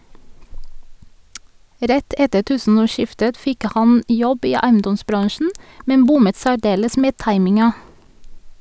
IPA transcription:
ˈɾɛt ˈɛtə ˈtʉːsn̩ɔˌʃɪftət ˈfɪk ˈhɑn ˈjɔb ˈiː ˈæɪənˌdɔsˌbɾɑŋʃɳ̩ ˈmɛn ˈbʊmət sæˈɖeːləs ˈmeː ˈtɑɪmɪŋɑ

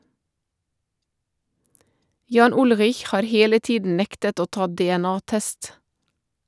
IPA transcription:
ˈjɑːn ˈʊlʁɪç ˈhɑːɾ ˈheːlə ˈtiːdn̩ ˈnɛktət ˈoː ˈtɑː dɛɛˈnɑːˌtɛst

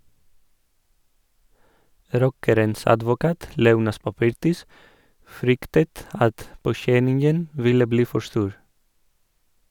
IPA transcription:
ˈɾɔkəɾəns ɑdʋʊˈkɑːt ˈleːˌuːnɑs pɑˈpɪɾtɪs ˈfɾʏktət ˈɑt poːˈçɛnɪŋən ˈʋɪlə ˈbliː ˈfɔ ˈstuːɾ

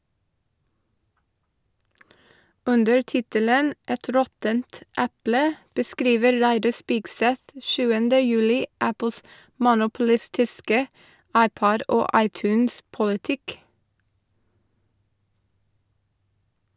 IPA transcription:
ˈʉndəɹ ˈtɪtələn ˈɛt ˈɾɔtənt ˈæplə bəˈskɾiːʋə ˈɾæɪdɑ ˈspiːɡˌsɛt ˈʃʉːəndə ˈjʉːlɪ ˈæpl̩s mʊnʊpl̩ˈɪstɪskə ˈɑɪˌpɔd ˈoː ˈɑɪˌtʉːnspʊlɪˌtɪk

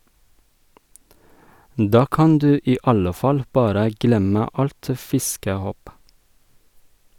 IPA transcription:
ˈdɑː ˈkɑn ˈdʉː ˈiː ˈɑlə ˈfɑl ˈbɑːɾə ˈɡlɛmə ˈɑlt ə ˈfɪskəˌhoːp

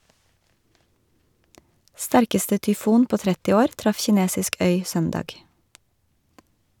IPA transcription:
ˈstæɾkəstə tʏˈfuːn ˈpoː ˈtɾɛtɪ ˈoːɾ ˈtɾɑf çɪˈneːsɪsk ˈœʏ ˈsœndɑːɡ

